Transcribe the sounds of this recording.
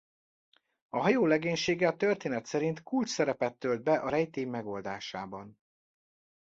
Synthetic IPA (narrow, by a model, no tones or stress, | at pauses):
ɒɦɒjoːlɛɡeːɲʃeːɡɛɒt̪ørt̪eːnɛt̪sɛɾint̪kult͡ʃsɛɾɛpɛt̪ːøld̪̚bɛʔɒɾɛjt̪eːmːɛɡo̞ld̪aːʃaːbɒn